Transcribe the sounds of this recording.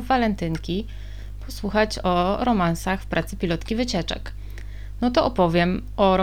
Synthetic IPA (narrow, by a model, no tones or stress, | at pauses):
valɛnt̪ɘŋkʲi | pʰɔswuxat͡ɕɔɾɔmansaxfpɾat̪sɘpʲilɔt̪kʲivɘt͡ɕɛt͡ʂɛ̰k | nɔt̪ɔʔɔpɔvʲjɛm | ɔɾ